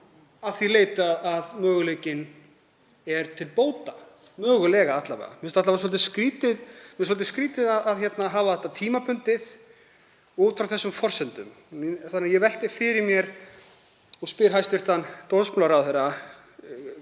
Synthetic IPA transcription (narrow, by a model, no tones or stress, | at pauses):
aθileːjt̪aðaðmœːɣʏlejcɪn | ɛɾt̪ʰɪlpoːwt̪a | mœːɣʏlɛːɣaat̪lavɛ̰a̰mɪnst̪aht̪avasɔlt̪ɪskɾiːt̪ɪðmɛsɔlt̪ɪskɾiːt̪ɪðaðaðçɛt̪naɦaːvaθɛht̪at̪ʰiːmapʰʏnt̪ɪð̥ | ut̪fɾawθɛsːʏmfɔr̥sɛnt̪ʏm | θanːjɛvɛl̥t̪ɪfɪɾɪɾmjɛɾ | ɔspɪɾ̥ɦajst̪vɪrt̪ant̪ownsplawɾaθeɾːa